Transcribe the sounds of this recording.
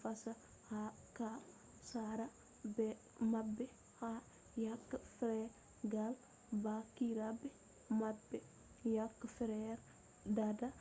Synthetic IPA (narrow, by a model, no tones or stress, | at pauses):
fasɐ | ha | ka | saɾɐ | bɛ | mabe | ha | jakːfɾɛ | ɡal | bakiɾabe | mab | jakːfɾɛɾ | dada